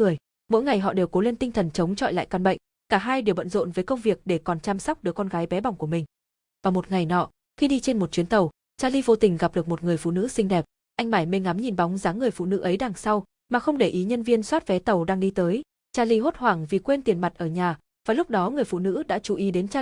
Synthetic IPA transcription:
ɨ˨˩əj | mo̰˧˥jŋa˨˩jɦɔ̰˧˨ɗe˨˩ko˨˦le˧nt̪ï˧ŋt̪ʰə˨˩nt͡ɕə˨˦wŋ͡mt͡ɕɔ̰˧˨jla̰ː˧˨jkaː˧nɓə̰˧˨jŋ̟ | kaː˧˩ɦaː˧jɗi˨˩əwvə̰˧˨nzo̰˧˨nvəː˨˦jkə˧wŋ͡mvi˨˩ək̚ɗe˧˩kɔ˨˩nt͡ɕaː˧msa˦˥k͡p̚ɗɨ˨˩əkːɔ˧nɣaː˨˦jɓɛ˨˦ɓa˨˩wŋ͡mku˧˩əmï˨˩ŋ̟ | vaː˨˩mo˨˩t̚ŋa˨˩jnɔ̰˧˨ | xi˧ɗi˧t͡ɕe˧nmo˨˩t̚t͡ɕwi˨˦ənt̪ə˨˩w | t͡ɕaː˧li˧vo˧t̪ï˨˩ŋ̟ɣa˨˩p̚ɗɨ˨˩ək̚mo˨˩t̚ŋɨ˨˩əjfṵ˧˨nɨ̰˧˥sï˧ŋ̟ɗɛ˨˩p̚ | ʔa˧jŋ̟maː˧˩jme˧ŋa˨˦mɲi˨˩nɓa˨˦wŋ͡mzaː˨˦ŋɨ˨˩əjfṵ˧˨nɨ̰˧˥ʔə˨˦jɗaː˨˩ŋsa˧w | maː˨˩xə˧wŋ͡mɗe˧˩ʔi˨˦ɲə˧nvi˧ənswaː˦˥t̚vɛ˨˦t̪ə˨˩wɗaː˧ŋɗi˧t̪əː˨˦j | t͡ɕaː˧li˧˦ɦo˦˥t̚hwaː˧˩ŋvi˨˩kwe˧nt̪i˨˩ənma˨˩t̚ʔəː˧˩ɲaː˨˩ | vaː˨˩lʊ˦˥k͡p̚ɗɔ˨˦ŋɨ˨˩əjfṵ˧˨nɨ̰˧˥ɗa̰ː˧˥t͡ɕu˧˩ʔi˨˦ɗe˨˦nt͡ɕa˧

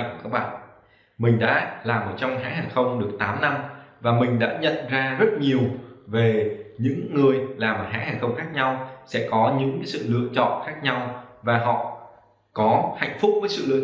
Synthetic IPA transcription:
kaː˦˥ɓa̰ː˧˨ | mï˨˩ŋ̟ɗa̰ː˧˥laː˨˩mʔəː˧˩t͡ɕɔ˧wŋ͡mha̰ː˧˥haː˨˩jxə˧wŋ͡mɗɨ˨˩ək̚t̪aː˨˦mna˧mvaː˨˩mï˨˩ŋ̟ɗa̰ː˧˥ɲə̰˧˨nzaː˧zə˦˥t̚ɲi˨˩əwve˨˩ɲɨ̰˧˥ŋːɨ˨˩əjlaː˨˩m̚ː˨˩ɦa̰ː˧˥haː˨˩xə˧wŋ͡mxaː˦˥k̚ɲa˧wsɛ̰˧˥kɔ˨˦ɲɨ̰˧˥ŋksɨ̰˧˨lɨ̰˧˨ət͡ɕɔ̰˧˨nxaː˦˥k̚ɲa˧wvaː˨˩ɦɔ̰˧˨ | kɔ˨˦ha̰˧˨jŋ̟fʊ˦˥k͡p̚vəː˨˦jsɨ̰˧˨lɨ̰˧ə

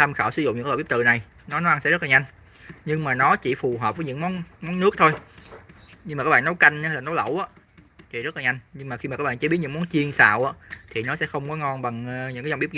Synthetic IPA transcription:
t̪ʰa˧mxaː˧˩wsɨ˧˦zʊ̰˧˨ŋ͡mɲɨ̰˧˥kːɓp̚t̪ɨ̰˧˨na˨˩j | nɔ˨˦nɔ˨˦ʔa˧nsɛ̰˧˥ztlaː˨˩ɲa˧jŋ̟ | ɲɨ˧ŋmaː˨˩nɔ˨˦t͡ɕi˧˩fu˨˩ɦəː˨˩p̚və˨˦ɲɨ̰˧˥ŋmɔ˨˦nmɔ˨˦nːɨ˦˥ək̚t̪ʰo˧j | ɲɨ˧ŋmaː˨˩aː˦˥ɓa̰ː˧˨nɔ˨˦wka˧jŋ̟˧hə˧laː˨˩nɔ˨˦lə̰˧˩wʔaː˨˦˥ | t̪ʰi˨˩zə˦˥laː˨˩ɲa˧jŋ̟ɲɨ˧ŋmaː˨˩xi˧aː˨˩kaː˦˥ɓaː˧˨˩t͡ɕi˦˥t̚ɲɨ̰˧˥mɔ˨˦nt͡ɕi˧ənsa̰ː˧˨wʔaː˨˧˥t̪ʰi˨˩nɔ˨˦sɛ̰˧˥xə˧wŋ͡mkɔ˨˦ŋɔ˧nɓa˨˩ŋɲɨ̰˧˥ŋkaː˨˦a˧ŋ͡mɓi˦˥p̚

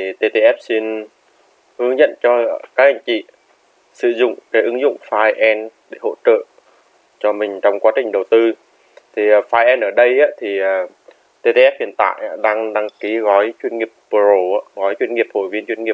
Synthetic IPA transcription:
t̪i˨˩t̪e˧t̪e˧ʔɛ˦˥p̚si˧n | hɨ˨˦əŋɲə̰˧˨nt͡ɕɔ˧kaː˦˥k̚ʔa˧jŋ̟t͡ɕḭ˧˨ | sɨ̰˧˨zʊ̰˧˨ŋ͡mkɛː˨˦jʔɨ˨˦ŋzʊ̰˧˨ŋ͡mfaː˧jʔɛ˧nɗe˧˩ho̰˧˥t͡ɕə̰ː˧˨ | t͡ɕɔ˧mï˨˩ŋ̟t͡ɕɔ˧wŋ͡mkwaː˨˦t͡ɕï˨˩ŋ̟ɗə˨˩wt̪ɨ˧ | t̪ʰi˨˩˨faː˧jʔɛ˧nʔəː˧˩ɗə˧jʔaː˧˦˥t̪ʰi˨˩əː˨˩ | t̪e˧t̪e˧ʔɛ˦˥p̚hḭ˧˨˩ənt̪a̰ː˧˨jʔaː˨˧˦ɗaː˧ŋɗa˧ŋki˨˦ɣɔ˨˦jt͡ɕwi˧ənŋi˨˩əp̚pɨ˨˩zo˧˩aː˧˥ɣɔ˨˦jt͡ɕwi˧ənŋi˨˩əp̚ho̰˧˩jvi˧ənt͡ɕwnŋi˨˩ə˩p̚

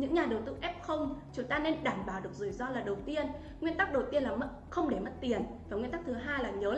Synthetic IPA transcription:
ɲɨ̰˧˥ŋɲaː˨˩ɗə˨˩wt̪ɨ̰˧ʔɛ˦˥p̚xə˧wŋ͡mt͡ɕʊ˨˦ŋ͡mt̪aː˧ne˧nɗaː˧˩nɓaː˨˩wɗɨ˨˩ək̚z̥ɨ˧˩jzɔ˧laː˨˩ɗə˨˩wt̪i˧ən | ŋwi˧ənt̪a˦˥k̚ɗə˨˩wt̪i˧ənlaː˨˩m˦˥t̚xə˧wŋ͡mɗe˧˩m˦˥t̚t̪i˨˩ənvaː˨˩ŋwi˧nt̪k̚t̪ʰɨ˨˦ɦaː˧jlaː˨˩ɲəː˨˦

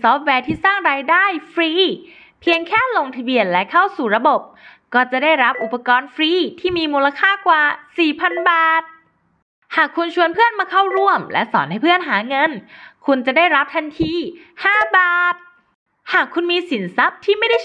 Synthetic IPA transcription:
sɔː˦˥p̚wɛː˧t̪ʰiː˥˩saː˥˩ŋɾaː˧jdaː˥˩jfɾiː˧˥ | pʰi˧əŋkʰɛː˥˩lo˧ŋt̪ʰa˧bi˧˩ən̚lɛ˦˥kʰa˥˩wsuː˨˩ɾa˧bo˨˩p̚kɔː˥˩t͡ɕa˨˩daː˥˩jɾa˦˥p̚ʔu˨˩pːa˧kɔː˧nfɾiː˧˥˩t̪ʰiː˥˩miː˧muː˧la˧kʰaː˥˩kwaː˨˩siː˨˩pʰa˧nbaː˨˩t̪̚ | haː˨˩kʰːu˧nt͡ɕʰu˧ənpʰɯ˥˩ənmaː˧kʰa˥˩wɾu˥˩əmlɛ̰˦˥ʔsɔ̰ː˩˦nha˥˩pʰɯ˥˩ənɦaː˩˦ŋɤ˧nkʰu˧nt͡ɕa˨˩daː˥˩jɾa˦˥p̚t̪ʰa˧nt̪ʰiː˧ | haː˥˩baː˨˩t̪̚ | haː˨˩kʰːu˧nmiː˧si˩˦nsa˦˥p̚t̪ʰiː˥˩ma˥˩jda˥˩

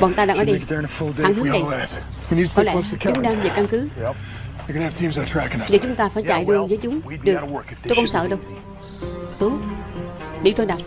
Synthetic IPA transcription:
ɓɔ̰ː˨˩nt̪aː˧ɗaː˧˩ŋəː˨˦ɗə˧jðəə̃nəfʊlˠdea̰ː˨˧˨nt̪ʰɨ˦˥na˨˩jlæs | winikɔ˨˦lɛ̰˧skʰt͡ɕʊ˨˦ŋ͡mɗaː˧mza˨˩ka˧mkɨ˨˦ | ɨ˨kɨnv̥tʰĩmzətʰɹ̥ækɪ̃ŋzaː˨˩t͡ɕʊ˨˦ŋ͡mt̪aː˧faː˧˩˦jt͡ɕa̰ː˧˨jvɨ˧vəː˨˦jt͡ɕʊ˨˦ŋ͡mɗɨ˨˩əto˧kə˧˨wŋ͡msə̰ː˧˨ɗə˧w | t̪ɨ˨˦ | ɗḭ˧˩t̪ʰo˧jnaː˨˩w

